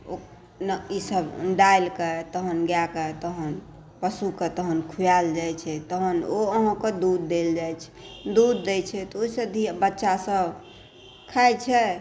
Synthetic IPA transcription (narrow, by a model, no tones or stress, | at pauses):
o | nisəbɖajlket̪əɦənɡjaket̪əɦən | pəsuket̪əɦənkʰujald͡ʒajt͡ʃʰɛt̪əɦənoəɦə̃ked̪ud̪ːeld͡ʒajt͡ʃʰɛ̥d̪ud̪ːɛt͡ʃʰɛt̪oisəd̪ʱibətːʃasəbʱ | kʰajt͡ʃʰɛ